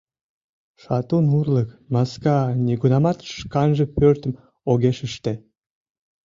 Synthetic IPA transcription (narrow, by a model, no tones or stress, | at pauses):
ʃɑt̪unurləkmɑskɑnʲiɡunɑmɑt̪ʃkɑnʒəpørt̪ə̆m | oɣeʃəʃt̪e